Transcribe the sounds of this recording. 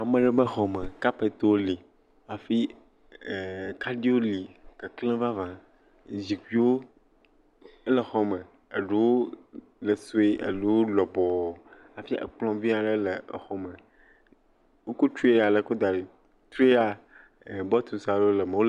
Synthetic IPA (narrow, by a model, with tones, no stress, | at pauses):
a˨mə̃˦ɖɛ˦bə˦xɔ˨mə̃˨ka˦pe˨t̪o˦wo˦li˨ | a˨fi˦˨ | ka˦ɖi˦wo˦li˨kə˨klẽ˦va˦vã˨ | d͡ʑi˨kʷi˦wo˦ | ə˦lə˨xɔ˦mə̃˨ | e˨ɖe˨wo˦ | lə˨so˦e˦ʔḛ˨lu˦wo˦lɔ˨bɔ˨ | a˨fi˦ʔə̰˨k͡plɔ̃˨vi˦a˨ɖə˦lə̰˨xɔ˨mə̃˨ | wo˦ko˦t͡ʃu˦e˦˨a˨lə˨ko˦d̪a˨ɾe˨ | t̪ɾu˦e˦a˨ | bɔ˦t̪u˨sa˨lo˦lə˨mə˨wo˦l